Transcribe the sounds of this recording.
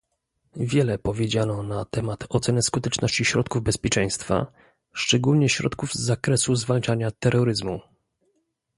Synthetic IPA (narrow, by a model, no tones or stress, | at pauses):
vʲjɛlɛpɔvʲjed͡ʑanɔnat̪ɛmat̪ʰɔt̪sɛnɛskut̪ɛt͡ʂnɔɕt͡ɕiɕɾɔt̪̚kuvbɛspʲjɛt͡ʂɛj̃st̪fa̰ | ʂt͡ʂɛɡulɲɛɕɾɔ̰t̪kuvzːakɾɛsuzvalt͡ʂaɲat̪ɛɾːɔɾɘzmu